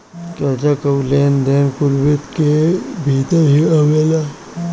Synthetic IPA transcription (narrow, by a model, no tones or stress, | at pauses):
kɐd͡ʒakəwleːnd̪eːnkʊlʋet̪kebʱiːt̪əɦiəʋeːla